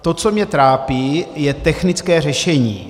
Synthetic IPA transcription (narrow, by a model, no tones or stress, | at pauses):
t̪o̞t͡so̞mɲɛt̪ɾaːpiːjɛt̪ɛxnɪt͡skɛːrɛʃɛɲḭː